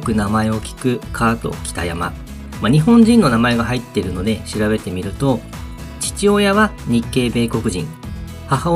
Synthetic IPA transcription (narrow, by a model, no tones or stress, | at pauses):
kɯ̟namae̞o̞kʲi̥kɯ̟kʰaːt̪o̞̰kʲi̥t̪a̰ja̰ma̰ | maɲ̟iɦõ̞ɲd͡ʑĩnːo̞namae̞ɡaɦait̪ːe̞ɾɯ̟no̞d̪e̞ɕiɾabe̞t̪e̞mʲiɾɯ̟t̪o̞ | t͡ɕi̥t͡ɕio̞jaβaɲ̟ikːe̞ːbe̞ːko̞kɯ̟ʑḭ̃ŋ | haha